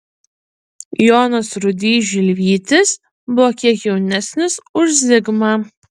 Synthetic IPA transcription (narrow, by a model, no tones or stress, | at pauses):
joːnosɾʊd̪ʲiːʒʲɪlʲʋʲiːt̪ʲɪs | bʊʋokʲiɛkjɛʊnʲæsʲnʲɪsʊʒʲzʲɪɡmɑː